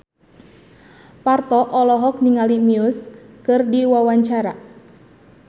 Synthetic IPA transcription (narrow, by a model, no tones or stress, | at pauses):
part̪ɔʔɔlɔɦɔk̚niŋalimiʊskɨrdiwawaɲt͡ʃaɾa